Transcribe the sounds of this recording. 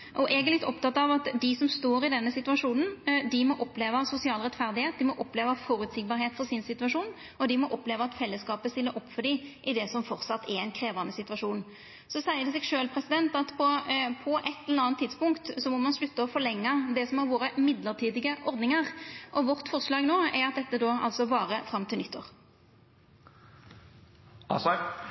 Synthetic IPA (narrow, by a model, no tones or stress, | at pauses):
ʔɔʔɛɡɛlɪt̪ːɔpt̪ʰɑt̪ːɑʋɑt̪d̪ɪsɔmst̪oːɾɪd̪ɛnːəsɪt̪ʉɑʂuːnən̩d̪ɪmɔʔɔpleːʋəsʊsɪɑːlʁɛt̪fæʁd̪ɪheːt̪̚d̪ɪmɔʔɔpleːʋəfɔːɾʉt̪sɪɡ̚bɑːɾheːt̪fɔʁsɪnsɪt̪ʉʋɑʂuːn | ɔd̪ɪmɔʔɔpleːʋəɑt̪fɛlːəskɑːpəst̪ɪlːəɾɔpːfɔɖɪʔɪd̪ɛsɔmfɔɾt̪sɑt̪ːʰɛɾɛɪnkʰɾeːʋɑnd̪əsɪt̪ʉʋɑʂuːn | sɔsæɪəd̪ɛsɛːɡʂøːlpʰʁɛsɪd̪ɛnt̪ɑt̪pʰɔpʰɔʔɛt̪ːɛlɛəɑnt̪ʰːɪd̪spʊŋkt̪sɔmɔmɑnslʉt̪ːəɔfɔlɛŋːɑd̪ɛsɔmhɑɾʋoːɾəmɪd̪ləʁʈ̪ʰiːd̪ɪɡəʔɔʁd̪nɪŋəʁʔɔʋɔʁt̪fɔʁslɑːɡnoːɛɾɑt̪̚d̪ɛt̪ːəd̪oːɑ̰lsɔʋɑːɾəfʁɑmt̪ʰɪlnʏt̪ːo̰ːʁ